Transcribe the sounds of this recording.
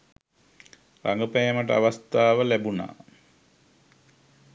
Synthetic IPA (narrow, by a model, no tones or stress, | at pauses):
raŋɡəpajəməʈəaʋast̪aːʋəlæbuna̰ː